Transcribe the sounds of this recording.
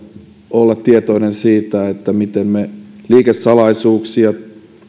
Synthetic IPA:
olːɑt̪t̪iet̪oinensiːt̪æet̪ːæmit̪emmeliːkesːɑlɑisuːksiɑ

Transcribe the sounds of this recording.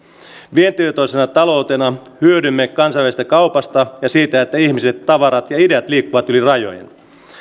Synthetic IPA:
ʋient̪irt̪oisenɑt̪ɑlo̞ut̪enɑhyødymːekɑnsɑiʋæst̪ækɑwpɑst̪ɑjɑsiːt̪æet̪ːæiçmiset̪ːɑʋɑɾɑt̪jɑideɑt̪liːkːuʋɑt̪ylirɑjo̰jḛn

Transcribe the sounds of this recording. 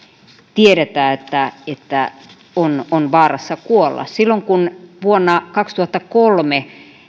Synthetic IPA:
t̪ieɾet̪æːet̪ːæet̪ːæ | ononʋɑːrɑsːɑkuolːɑ̰ssilːoŋkunʋuonːɑkɑkst̪uhɑt̪ːɑkolme

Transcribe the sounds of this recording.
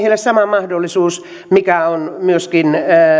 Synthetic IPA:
hilːæssɑmɑmɑhdolːisuːs | mikæonmyøskinː

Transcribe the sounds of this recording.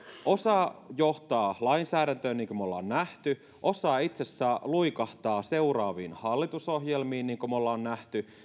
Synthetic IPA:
ʔo̞sɑːjoht̪ɑːlɑinsæːɾænt̪øːnniːŋkømolːɑonːæht̪y | ʔosɑːit̪sesːæluikɑht̪ɑːse̞uɾɑːʋḭːnhɑlːit̪usoɦjelmiːnniːŋkomolːɑonnæht̪y

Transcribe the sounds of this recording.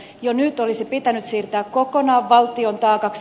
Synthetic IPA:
jonyt̪o̞lisipit̪ænyt̪siːrt̪æːkko̞ko̞nɑːʋːɑlt̪io̞nt̪ɑːkɑks

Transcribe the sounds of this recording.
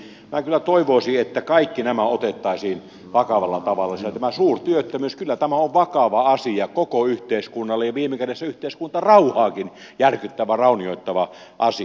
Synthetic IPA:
m̆ækylːˑæt̪oiʋoˑisiet̪ːækɑikːinæmæot̪et̪ːɑˑisiːn | ʋɑkɑʋɑlːɑt̪ɑʋɑlːɑiset̪æmæsuːrt̪yøt̪ːømyskylːæt̪æmæoʋʋɑkɑʋɑɑsiɑkokoyht̪eiskunːɑlːejjɑʋiːmekædesːæyht̪eˑiskunt̪ɑrɑuhɑːkin | jærkyt̪ːæʋærɑˑunioit̪ːɑʋɑ | ʔɑsi

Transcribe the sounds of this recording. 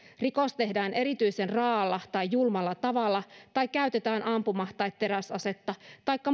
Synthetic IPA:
rikost̪e̞hdæːnʔe̞ɾit̪yisenrɑːlːɑt̪ɑjjulmɑlːɑt̪ɑʋɑlːɑt̪ɑikkːæyt̪et̪æːnʔɑmpumɑht̪ɑjt̪t̪ːe̞ɾæsɑse̞t̪ːɑt̪ɑikːɑ

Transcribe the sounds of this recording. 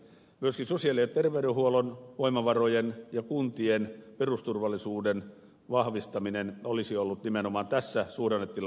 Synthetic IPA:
myøskinsosiɑlːˑiset̪t̪erʋeyɾehuolonʋoimɑʋɑrojenjɑkunt̪ienperust̪urʋɑlːisuːden | ʋɑhʋist̪ɑminenolisiolːut̪nimenomɑːnt̪æsːæsuːrenːet̪t̪ːil

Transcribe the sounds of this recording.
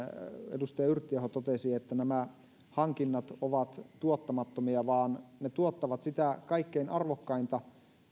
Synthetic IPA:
ḛdust̪ɑjɑyrt̪ːiehot̪ot̪esiet̪ːænæmæ | hɑŋkinːɑt̪oʋɑt̪t̪uot̪ːɑmɑt̪ːomiɑʋɑːnnet̪uot̪ːɑʋɑt̪sit̪ækɑikːeinʔɑrʋokːɑint̪ɑ

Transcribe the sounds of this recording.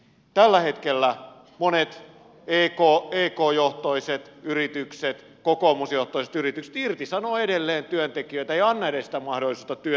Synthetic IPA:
t̪ælːæhet̪kelːæ | monet̪ | eːkoːeːkoːjoht̪oiset̪yrit̪ykset̪ | kokoːmusjoht̪oiset̪yrit̪ykse̥t̪irt̪isɑnoːedelːeːnt̪yønt̪ekiøit̪æeiɑnːɑedesi̥t̪æmɑhdolisuːt̪ɑt̪yø

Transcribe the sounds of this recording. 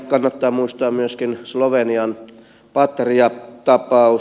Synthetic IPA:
kɑnːɑt̪ːɑːmuist̪ɑːmyøskinsloʋeniɑn | pɑt̪riɑt̪ɑpɑu

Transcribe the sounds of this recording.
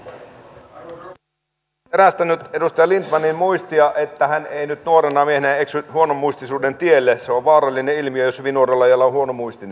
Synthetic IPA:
eɾæst̪ænyt̪edust̪ɑjɑlint̪mɑnimmuist̪iɑʔet̪ːæhæneinyt̪nuoɾenɑmiehenæeksyhuonomːuist̪isuːdent̪ielːeseoʋʋɑːɾɑlʲːineilmiøjosʋinuorelːɑjɑlːɑohuo̞nomuist̪ine

